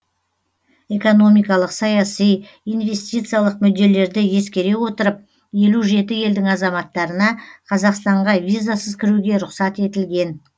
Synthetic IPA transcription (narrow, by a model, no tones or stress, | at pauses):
e̞ko̞no̞mijkɑlˠəqsɑjɑsij | ijnve̞st̪ʲijt̪sɨjalˠəqmʏd̪ːe̞le̞ɾd̪ɪje̞skʲe̞ɾe̞wo̞t̪əɾəp̚ | je̞luʒe̞t̪ɪje̞ld̪ɪŋɑzɑmɑt̪ːɑɾənɑqʰɑzɑqst̪ɑɴʁɑvʲijzasəzkʲʰɪɾuɡʲe̞ɾʊqsɑt̪e̞t̪ɪlɡʲe̞n